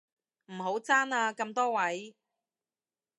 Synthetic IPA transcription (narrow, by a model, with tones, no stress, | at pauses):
m̩˨˩ɦo˨˥wt͡saː˥naː˧kɐ˧mt̪ɔː˥wɐ˨˦˥j